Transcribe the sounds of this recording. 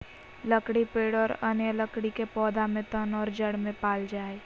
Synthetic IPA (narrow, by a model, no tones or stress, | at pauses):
ləkɽipeːɽɔːɾənjələkɽikepɔːd̪amẽt̪ənɔːɾd͡ʒəɽmẽpaːld͡ʒaːe